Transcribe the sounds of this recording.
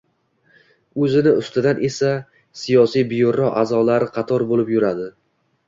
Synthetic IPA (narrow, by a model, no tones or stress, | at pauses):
ɵzɪnɪʊst̪ɪd̪anʔe̞sa | sijɒsijbɪjoɾɒʔazɒlaɾɪqʰɑt̪ʰɒɾbolɪpjʊɾad̪ɪ